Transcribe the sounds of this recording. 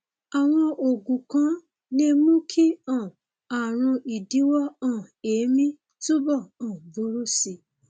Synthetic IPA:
a˨w̃ɔ̃˧ʔo˨ɡũ˨kã˨˦ | nĩ˦e˧mũ˦kʰi˦ã˦˨ | a˨ɾ̃ũ˧i˨di˨˦wɔ˦ɔ̃˦˨eː˨˦mĩ˦ | to˦bɔ˦˨ɔ̃˨bu˨˦ɾu˦si˧˨

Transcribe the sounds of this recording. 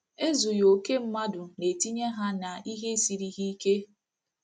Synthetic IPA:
e˦zu˨jo˨ke˦m̩˦ma˦dʊ˨ne˨ti˦ɲe˦ɦa˦na˨i˦ɦe˦si˨ɾi˦ɦi˦i˦ke˦

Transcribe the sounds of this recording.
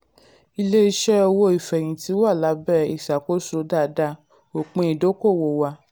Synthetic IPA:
i˧le˦i˦ʃɛ˦ɔ˧wo˧˦i˨fɛ˨j̃ĩ˨ti˨˦wa˦˨la˨˦bɛ˦˨ḭ˨sa˨ko˦so˧˦da˦˨da˧˦ | o˨k͡pẽ˧i˨do˨˦ko˦˨wo˧˨wa˧

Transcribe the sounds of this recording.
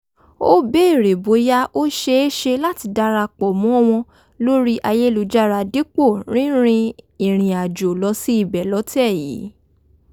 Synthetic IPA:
o˦be˦e˦˨ɾe˨bo˨˦ja˦ʔo˦ʃe˧˦e˦ʃe˧la˦ti˧da˧ɾa˧k͡pɔ˨mɔ̃˨˦w̃ɔ̃˧ | lo˦ɾi˦ʔa˧je˦˧lu˨d͡ʒa˦ɾa˧di˦k͡po˦˨ɾ̃ĩ˦ɾ̃ĩ˧i˨ɾ̃ĩ˨a˨d͡ʒo˨lɔ˨˧˦si˦i˦˨bɛ˨lɔ˨˦tɛ˦˨jḭ˨˦

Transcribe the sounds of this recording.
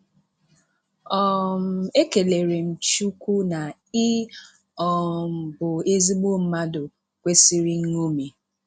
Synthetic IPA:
ɔ˦m̩˨e˦ke˨le˨ɾe˨m̩˨t͡ʃu˦kʷu˦na˨ | ɪ˦ | ɔ˨m̩˨bʊ˨e˦zi˦ɡ͡bo˦˨m̩˦ma˦dʊ˨ | kʷe˦si˦ɾi˦ŋ̩˦ŋo˦me˨

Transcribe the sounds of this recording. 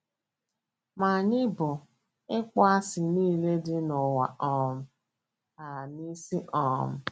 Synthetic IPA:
ma˨ɲɪ˦bʊ˨ | ɪ˦k͡pɔ˦a˦sɪ˨niː˦le˦dɪ˦nʊ˨wa̰˨ʔɔ˦m̩˦ | a˨ni˦si˦ʔɔ˨m̩˦

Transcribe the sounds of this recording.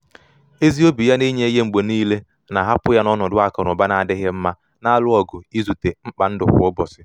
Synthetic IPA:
e˦zi˦o˦bi˨ja˦ni˦ɲe˦je˦ŋ͡m̩˨ɡ͡bo˨niː˦le˦ | na˨ɦa˦pʊ˦ja˦nɔ˦nʊ˨dʊ˦a˨kɔ˨ɾʊ˨ba˦na˨dɪ˦ɦɪ˦m̩˦ma˦ | na˦a˦lʊ˦ɔ˨ɡʊ˨i˦zu˨te˨ŋ͡m̩˦k͡pa˨n̩˦dʊ̰˨ɦʊ̰˨˦ʊ˦bɔ˨sɪ˦

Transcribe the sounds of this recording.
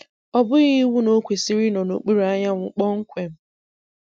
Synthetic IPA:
ɔ˦bʊ˦ɣi˦wu˦no˦kʷe˨si˦ɾi˦nɔ˨no̰˨k͡pi˦ɾa˦ɲa˦ŋʷʊ˨k͡pɔ˦ŋ̩˦kʷe˨m̩˦

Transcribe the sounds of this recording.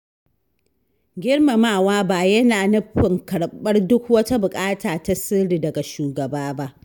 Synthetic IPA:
ɡʲɪ˦rma˨maː˨waː˦baː˨jɐ˦naː˨nʊ˦ɸɪ˨ŋkɐ˨ɽɓɐ˦rdʊ˦kwɐ˦ta˦bʊ˨kʼaː˦taː˨ta˦sɪ˦ɽiː˨dɐ˨ɡa˨ʃuː˨ɡɐ˨baː˦ba˦ʔ

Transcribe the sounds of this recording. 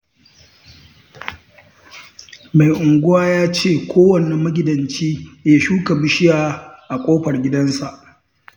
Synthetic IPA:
ma˨jʔʊ˨ŋɡʷʊ˦waː˦jaː˦t͡ʃeː˦˨kʷʰoː˦wɐ˨ne˨mɐ˦ɡʲɪ˨dɐ˨nt͡ʃiː˦ja˨ʃuː˦kɐ˨bɪ˦ʃɪ˦jaː˦ʔa˨kʼoː˦ɸɐ˨rɡʲɪ˦dɐ˦nsa˨ʔ

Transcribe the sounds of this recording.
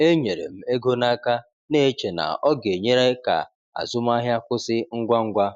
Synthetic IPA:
e˦ɲe˨ɾḛ˨m̩˦e˦ɡo˦na˦ka˦ | ne˦˨˦t͡ʃe˨na̰˨ɔ˦ɡe˨ɲe˦ɾe˦ka̰˨ | a̰˨zʊ˦m˦a˦ɦja˦kʷʊ˦sɪ˦ŋ̩˦ɡʷa˦ŋ̩˦ɡʷa˦

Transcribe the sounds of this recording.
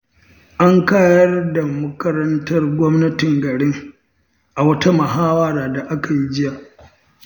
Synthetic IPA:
ʔa˦ŋkaː˦jɐ˦rda˨mɐ˦kɐ˦ɾɐ˦ntɐ˦rɡʷɔ˦mnɐ˦tɪ˨ŋɡɐ˨ɽɪ˦ŋ | ʔa˨wɐ˦ta˦mɐ˨ɦaː˦wɐ˦ɾaː˨da˨ʔa˦ka˨ji˦d͡ʒɪ˦jaː˨

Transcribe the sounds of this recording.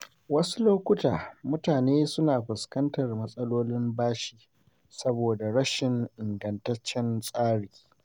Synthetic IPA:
wɐ˦su˦loː˦kʷʊ˦taː˨mʊ˦taː˨neː˦sʊ˦naː˨ɸʷʊ˨skɐ˦ntɐ˨rmɐ˦sʼɐ˦loː˦lɪ˦mbaː˦ʃiː˨ | sɐ˦boː˨da˨ɽɐ˦ʃɪ˨ŋʔɪ˨ŋɡɐ˨ntɐ˦t͡ʃːɛ˦nsʼaː˦ɽiː˨

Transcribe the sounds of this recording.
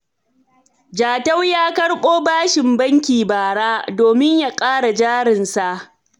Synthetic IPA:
d͡ʒaː˨tɐ˦wjaː˦kɐ˦ɽɓoː˦baː˦ʃɪ˨mbɐ˦ŋkʲiː˨baː˨ɽaː˦doː˨mɪ˦ɲja˨kʼaː˦ɽa˨d͡ʒaː˦ɾɪ˨nsa˨ʔ

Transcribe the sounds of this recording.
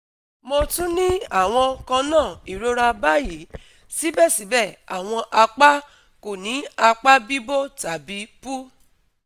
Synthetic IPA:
mo˧tũ˦nĩ˦a˦˨w̃ɔ̃˧kã˧nãː˦˨i˨ɾo˨˦ɾa˧ba˦ji˨˦ | si˦bɛ˦˨sĩ˨˦bɛ˦˨a̰˨w̃ɔ̃˧ʔa˧k͡pa˦ | ko˨nĩ˨˦a˧k͡pa˦bi˦bo˦ta˨bi˧˦pu˦

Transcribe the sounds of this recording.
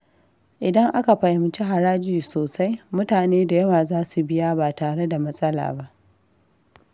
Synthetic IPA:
ʔɪ˨dɐ˦ŋʔa˦ka˨ɸɐ˨jɪ˨˦m˨t͡ʃi˦ɦa˨ɽaː˦d͡ʒiː˨soː˨sa˦jmʊ˦taː˨neː˦da˨jɐ˦waː˨zaː˦su˨bɪ˦ja˦baː˨taː˨ɽe˦da˨mɐ˦sʼɐ˦la̰ː˨ba˦ʔ

